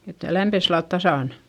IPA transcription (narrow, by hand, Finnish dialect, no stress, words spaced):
et læmpes silːɑlt tɑsɑˑn